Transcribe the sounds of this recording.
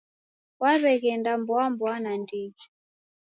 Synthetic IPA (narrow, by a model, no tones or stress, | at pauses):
waβɛɣɛndambɔambwanandid͡ʒi